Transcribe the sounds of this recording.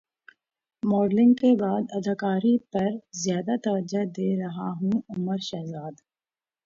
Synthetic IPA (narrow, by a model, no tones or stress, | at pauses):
mɔːɖlɪ̃ŋɡkebaːd̪ɐd̪ʱɪkaːɾipɐɾzjaːd̪at̪ɐʋəd͡ʒad̪eːɾɐɦaɦũʊməɾʃɐɦzaːd̪